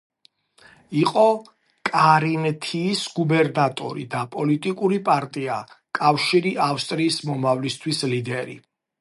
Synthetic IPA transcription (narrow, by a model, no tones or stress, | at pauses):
iqʼɔ | kʼaɾinɛt̪ʰiːsɡubɛɾnat̪ʼɔ̰ɾḭd̪apʼɔlit̪ʼikʼuɾipʼaɾt̪ʼia̰ | kʼafʃiɾiafst̪ʼɾiːsmɔmavlist̪ʰwislid̪ɛɾḭ